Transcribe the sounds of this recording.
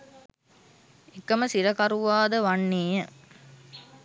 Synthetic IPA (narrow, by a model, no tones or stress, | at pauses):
ekːɐməsiɾɐkɐɾuʋaːd̪əʋanːeːjə